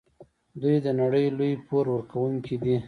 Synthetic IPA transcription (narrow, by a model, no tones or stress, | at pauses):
d̪ujd̪ənaɽəjlujpoɾwəɾkʰawuŋkʰid̪i